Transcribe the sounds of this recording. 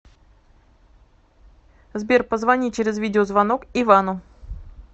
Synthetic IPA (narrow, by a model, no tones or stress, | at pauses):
zbʲerpəzvɐnʲit͡ɕeɾʲɪzvʲidʲɪozvɐno̞kɪvanʊ